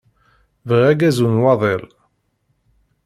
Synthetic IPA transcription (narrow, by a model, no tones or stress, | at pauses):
vʁæɡæzunwɑðˤel